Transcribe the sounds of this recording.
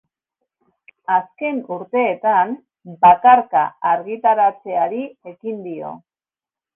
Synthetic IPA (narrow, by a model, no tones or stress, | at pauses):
aske̞nuɾt̪e̞ːt̪an | bakaɾka̰aɾɣit̪aɾat͡se̞aɾie̞kind̪io̞̰